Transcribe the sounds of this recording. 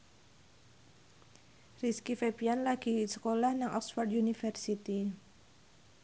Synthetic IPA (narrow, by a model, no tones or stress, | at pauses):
riskifepianlaɡ̥i̤sə̥kolahnaŋʔɔ̰ksfɔrd̪junifɛrsit̪i